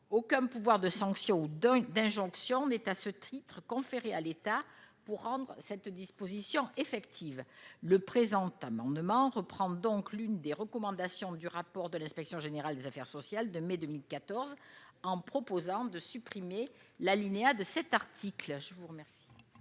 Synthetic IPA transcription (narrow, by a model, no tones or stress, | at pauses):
okɛ̃puvwaʁd̪əsɑ̃ksjɔ̃ud̪d̪ɛ̃ʒɔ̃ksjɔ̃nɛt̪asət̪ʰit̪χəkɔ̃feʁealet̪apuʁːɑ̃d̪ʁəsɛt̪d̪ispozisjɔ̃efɛkt̪ʰivləpχezɑ̃t̪amɑ̃d̪mɑ̃ʁəpχɑ̃d̪ɔ̃klynd̪eʁəkɔmɑ̃d̪asjɔ̃d̪yʁapɔʁd̪əlɛ̃spɛksjɔ̃ʒeneʁald̪ezafɛʁsɔsjald̪əmed̪əmilkat̪ɔʁzɑ̃pχɔpozɑ̃d̪əsypχimelalinead̪əsɛt̪aʁt̪ʰiklʒəvuʁəmɛʁsi̥